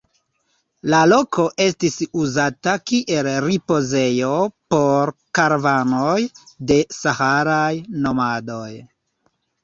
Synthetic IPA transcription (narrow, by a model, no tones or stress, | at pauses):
lalo̞kʰo̞ʔe̞stisuzatakiʔe̞lɾipo̞ze̞jo̞po̞ɾkaɾvanojde̞sahaɾajno̞mado̞j